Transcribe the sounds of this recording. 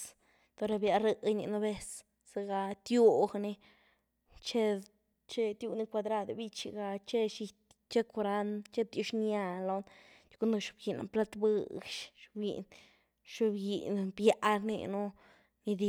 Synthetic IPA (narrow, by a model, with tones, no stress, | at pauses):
t̪o˧ɾa˧bja˧ɾə˧ɲḭ˧nu˧be˦s | se˧ɡa˧t̪jo˦˧xni˧ | t͡ʃe˦ | t͡ʃe˦t̪ju˧ni˦kʷa˧d̪ɾa˦˧d̪bi˦t͡ʃi˧ɡa˧t͡ʃe˦ʃi˧t̪ | t͡ʃe˦ko˧ɾa˦nt͡ʃe˦b̚d̪ʲu˧ʃna˧lo˧nt͡ʃku˦nd̪o˧ʃu̥˧b̚ɡi˧na̰˨mpla˦t̪bɨ˦˧ɡʃʃbjḭ˨n | ʃu˧bɡḭ˨nbja˨˦ʔɾnḭ˧nu˦ | ni˧d̪i˧